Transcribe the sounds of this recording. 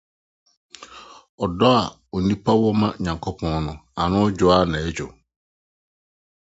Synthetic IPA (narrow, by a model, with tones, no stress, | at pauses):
ɔ˨dɔ˦a˨ | ɔ˨nĩ˦pʰa˦wɔ˦mã˦ɲã˨ŋkʰo˦pʰɔ̃˦nnʊ̃˨a˨nʊ̃˦ɔ˦d͡ʑᶣʊ˨˦a˦nã˨ɛ˦d͡ʑʊ˨